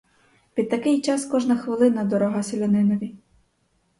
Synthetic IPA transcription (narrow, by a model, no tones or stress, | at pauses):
pʲid̪̚t̪ɐkɪjt͡ʃɑskɔʒnɐxʋɪlˠɪnɐd̪ɔɾɔɦɑselʲɐnɪnɔʋʲi